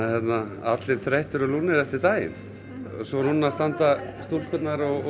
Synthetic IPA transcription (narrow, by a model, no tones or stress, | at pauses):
ɛt̪naa̰t̪lɪnθɾeht̪ʏɾɔluːnɪɾɛft̪ɪt̪aːjɪ̰n | sɔɾhunːast̪ant̪ast̪ul̥kʰʏt̪naɾɔɣ